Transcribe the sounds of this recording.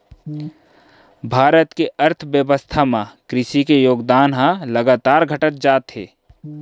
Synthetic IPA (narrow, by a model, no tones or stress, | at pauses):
bʱaːɾət̪keʔɐɾt̪ʰʋjəʋəst̪ʰamãkɾɪʃikejoːɡd̪aːnɦãlɐɡaːt̪aːɾɡʱɐʈət̪̚d͡ʒaːt̪ɦḛː